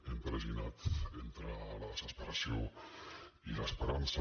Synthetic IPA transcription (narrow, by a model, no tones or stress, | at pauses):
empɾezinat̪ent̪ɾəlaðesespeɾasjo | ilaespeɾansa